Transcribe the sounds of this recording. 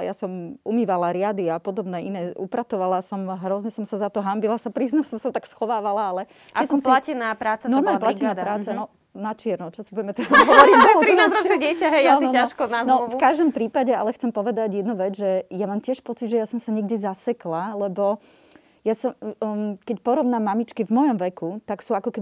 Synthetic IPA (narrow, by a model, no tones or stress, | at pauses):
jasɔmumiːʋalaɾɪad̪iapɔd̪ɔbnɛinɛːupɾat̪ɔʋalasɔmɦɾɔzɲɛsɔmsazat̪ɔɦambilasapɾiːznamsɔmsat̪aksxɔʋaːʋalaalɛ | ɛsɔmsllacɛnapɾaːt͡sanɔɾmalɲplacɛnapɾaːt͡sanɔ | nat͡ʃɪɛɾnɔt͡ʃɔsibuɟɛmɛt̪ɛad̪ɦɔʋɔɾiɔɾinazɾɔɛɟɪɛcaɦɛjjanɔaʃkɔnaznɔufukaʒd̪ɔmpɾiːpaɟɛa̰lɛxt͡sɛmpɔʋɛd̪aɟjɛd̪nuʋɛd͡zʒɛjamaːmcɪɛʃpɔt͡sid̪ʒɛjasɔmsaɲɛɡɟɛzasɛklalɛbɔ | jasɔmkɛcpɔɾɔʋnamːamit͡ʃkivmɔjɔmʋɛkut̪aksuakɔkɛbi